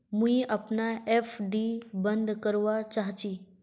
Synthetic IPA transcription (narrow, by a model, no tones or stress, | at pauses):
mũĩʔəpnaefɖibə̃nd̪kəɾʋat͡ʃaɦt͡ʃi